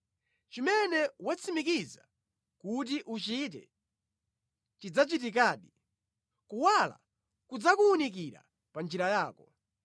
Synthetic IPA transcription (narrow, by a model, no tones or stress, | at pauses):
t͡ʃimɛnɛwat͡sʰimikiza | kut̬iʔut͡ʃit̬ɛ̰ | t͡ʃid͡zat͡ʃit̬ik̬aːɗi | kuwala̰ | kud͡zakuunikiɾa̰ | pand͡ʒiɾajaːkɔ